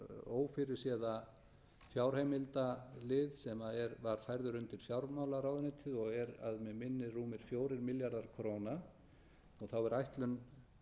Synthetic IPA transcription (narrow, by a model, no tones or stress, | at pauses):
oːwfɪɾɪɾ̥sjɛːða | fjawɾ̥heːjmɪlt̪alɪðsɛmaɛɾvaɾ̥fajɾðʏɾʏnt̪ɪɾ̥fjawɾmaːwlaɾaːwðɪnɪt̪ʰɪðɔɣɛɾa̰ðmɛmɪnːɪruːmɪɾ̥fjoːwɾɪɾmɪljaɾðaɾ̥kʰɾoːna | ɔɣθawɛɾajht̪lʏm